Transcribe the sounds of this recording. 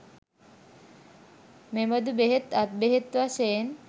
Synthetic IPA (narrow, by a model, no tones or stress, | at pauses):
meməd̪ubeɦet̪at̪̚beɦet̪ʋasejn